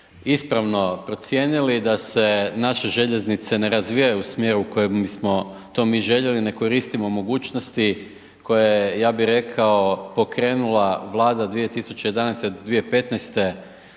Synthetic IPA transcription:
ispɾaʋno̞pɾo̞t̪sje̞ːnilid̪ase̞naʃe̞ʒe̞ʎe̞znit̪se̞ne̞ɾazʋijajuusmje̞ːɾuko̞jemismo̞ | t̪o̞miːʒe̞ʎe̞line̞ko̞ɾiːst̪imo̞mo̞ɡuːt͡ʃnost̪i | ko̞jejaːbiɾe̞kʰao̞po̞kɾe̞ːnulˠaʋlˠaːd̪ad̪ʋije̞t̪isut͡ɕe̞jed̪anɛjst̪eod̪d̪ʋiepe̞t̪nɛjst̪e̞

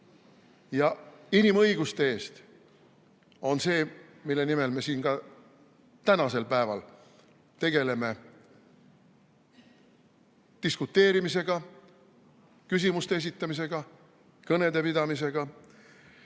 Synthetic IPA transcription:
jɑinimɤjɡust̪e̞e̞ːst̪ | o̞nse̞ːmilːe̞nime̞lme̞siːnkɑ | t̪ænɑse̞lpæe̞vɑ̰l | t̪e̞ɡe̞le̞me̞ | t̪iskut̪ːˑe̞ːɾimise̞ɡ̥ɑ | kys̬imust̪ees̬it̪ːˑɑmis̬e̞ɡ̥ɑ | kɤne̞d̪e̞pid̪ɑmise̞ɡ̥ɑ

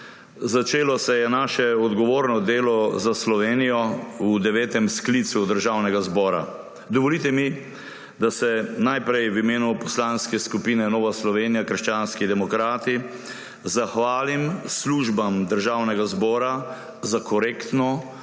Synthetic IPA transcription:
zat͡ʃeːlɔsɛjɛnaːʃɛɔd̪ɡɔʋoːɾnɔd̪eːlɔzaslɔʋeːnijɔwud̪ɛʋɛːt̪ɛmsklit̪sud̪əɾʒawnɛɡazbɔːɾa̰ | d̪ɔʋɔlit̪ɛmi | d̪asɛnajpɾɛjwimeːnupɔslaːnskɛskupinɛnɔːʋaslɔʋeːnijakəɾʃt͡ʃaːnskid̪ɛmɔkɾaːt̪i | zaxʋaːlimsluʒbamd̪əɾʒawnɛɡazbɔːɾa | zakɔɾeːkt̪nɔ

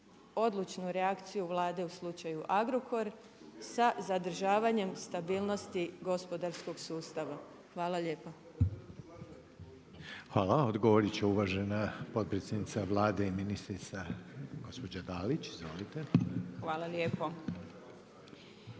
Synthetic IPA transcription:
o̞d̪lut͡ʃnuɾeakt̪sijuʋlˠaːd̪e̞uslˠut͡ʃajuʔaɡɾokʰo̞ɾ | sazad̪r̩ʒaːʋaɲe̞mst̪abiːlˠno̞st̪iɡo̞spo̞d̪aɾsko̞ɡsuːst̪aʋa | xʋaːlalje̞ːpo | xʋaːlaod̪ɡoʋoɾit͡ɕeuʋaːʒenapo̞t̪̚pɾet̪sjed̪nit̪saʋlˠaːd̪eiminist̪ɾit̪saɡo̞spo̞d͡ʑad̪aːlit͡ɕizʋo̰lit̪exʋaːlˠaljeːpo

